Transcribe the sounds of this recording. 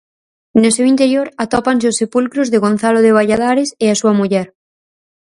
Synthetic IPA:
nosewint̪eɾjoɾat̪ɔpans̬eosːepulkɾozðeɣ̞on̟θaloð̞eβ̞aʎað̞aɾeseasuamuʎɛɾ

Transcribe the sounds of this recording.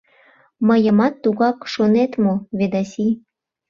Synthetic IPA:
məjəmɑt̪ːuɣɑkʃonet̪moβed̪ɑsi

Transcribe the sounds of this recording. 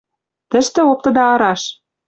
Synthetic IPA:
t̪ɘ̆ʃt̪ɘ̆op̚t̪ɤ̆d̪ɑɑɾɑʃ

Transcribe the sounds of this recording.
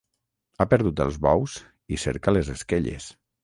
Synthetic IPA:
apəɾðut̪ə̰lˠzβɔwz̥ | isḛɾkalezeskeʎḛs

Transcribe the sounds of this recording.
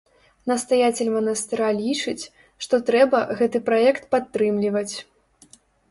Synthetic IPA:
nɐst̪ajat͡sʲelʲmɐnɐst̪ɨɾalʲit͡ʂɨt͡sʲ | ʂt̪ɔt̪ɾɛbɐɣɛt̪ɨpɾajɛkt̪pat̪ːɾɨmlʲivɐt͡sʲ

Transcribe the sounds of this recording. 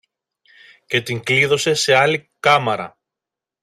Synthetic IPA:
ce̞t̪iŋkliðo̞se̞se̞ɐlikɐmɐɾɐ̰

